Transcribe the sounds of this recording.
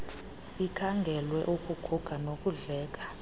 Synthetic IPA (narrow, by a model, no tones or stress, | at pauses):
ikʰaŋɡʱɛlwɛ̰ʔukʼuɡ̥ʰʱuɡ̥ʱanok̬ʼuɮɛːk̬ʼḁ